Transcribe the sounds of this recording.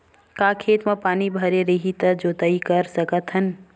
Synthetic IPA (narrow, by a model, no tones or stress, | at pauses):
kaːkʰeːt̪mepaːnibʱəɾeɾəɦit̪əd͡ʒoːt̪aikəɾsəkət̪ʰɦən